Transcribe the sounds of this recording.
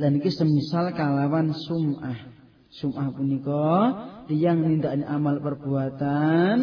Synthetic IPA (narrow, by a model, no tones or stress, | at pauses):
lanikesəmisalkalawansumʔah | sumʔahpunikɔt̪ijaŋnind̪aʔniʔamalpərb̥uat̪an